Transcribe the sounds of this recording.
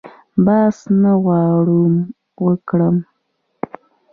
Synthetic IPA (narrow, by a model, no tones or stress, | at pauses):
bɑsnaɣɑɽum | wəkɽəm